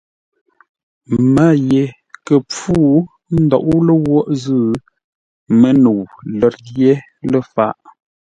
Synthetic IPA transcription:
ma˦˨je˨ | kə˨p͡fu˦˨ | n̩˦dɔ̰˨ʔu˦lə˦wɔ˦ʔzə˦˨ | mə˦nu˨wlə˨t̚dje˦ | lə˦fa̰˦˨ʔ

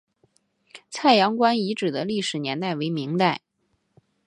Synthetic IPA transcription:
t͡sʰa˥˩ɪjɑ˧˥ŋkwa˥ni˧˥ʈ͡ʂɻ̩˨˩d̪ə˦li˥˩ʂɻ̩˨˩njɛ˧˥nt̪a˥˩ɪwe˧˥ɪmi˧˥ŋt̪a˥˩ɪ

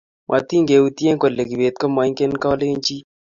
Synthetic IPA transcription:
mwʔa˨ti˦ŋɡe˨u˨ti˦e˦ŋko˨lːe˨ki˨be˨t̚ko˦mwa˨˦i˦ŋke˦nka˦le˦ɲt͡ʃi˦

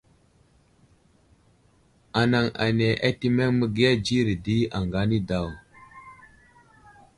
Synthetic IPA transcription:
a˨na˨ŋa̰˨ne˨ʔa˦ti˦me˦ŋmə˦ɡi˦ja˦d͡ʒi˦ɾi˨di˦a˨ŋɡa˦ni˦da˦˨w

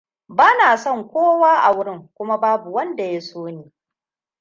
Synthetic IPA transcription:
baː˦naː˨sɔ˦˨ŋkʷoː˦waː˦ʔa˨wʊ˦ɾɪ˦˨ŋkʷʊ˦ma˦baː˦bu˨wɐ˦nda˨ja˦soː˦neː˨

